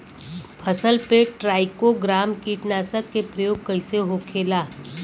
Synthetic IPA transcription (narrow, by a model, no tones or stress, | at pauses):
pʰəsəlpeʈɾaːɪkoɡɾaːmkiːʈnaːsəkːepɾəjoːɡ̚kɐɪseɦokʰeːlaː